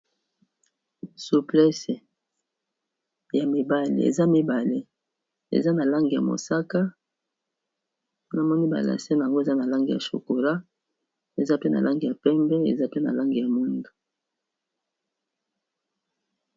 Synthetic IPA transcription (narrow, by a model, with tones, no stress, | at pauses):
su˨plɛ˦se˨ | ja˨mi˨ba˦lḛ˨ḛ˨za˦mi˦ba˨le˦ | ḛ˨za˦na˨la˦ŋɡi˨a̰˨mo̰˨sa˦ka˦ | na˨mɔ˦ni˦ba̰˨la̰˨se˦n˨ŋɡo˦e˨za˦na˨la˦ŋɡi˨ja̰˨ʃo̰˨ko˨la˦ | e˨za˦pe˦na̰˨lʔa˦ŋɡi˨ja˨pɛ˦mbɛ˦ḛ˨za˦pe˦na̰˨la˦ŋɡi˨ja˨mu˦ndu˨